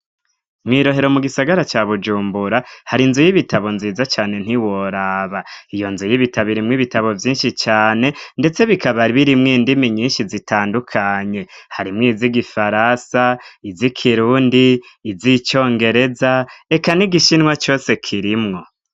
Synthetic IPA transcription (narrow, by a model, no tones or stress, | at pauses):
mŋiːɾo̞ɦe̞ɾo̞muɡisaɡaɾat͡ʃaβud͡ʒuːmbuɾahaɾinzujiβitʰaβo̞nziːzat͡ʃaːne̞n̥hiwo̞ɾaːβaijo̞nzujiβitʰaβiɾimŋiβitaβo̞vjiːnʃit͡ʃaːne̞nde̞t͡se̞βikʰaβaɾiβiɾimŋiːndimiɲiːnʃizitʰaːndukʰaɲe̞haɾimŋiːziɡifaɾasaizikʰiɾuːndiːzit͡ʃo̞ːŋɡe̞ɾe̞zaekaniɡiʃinŋwat͡ʃo̞ːse̞kʰiɾimŋo̞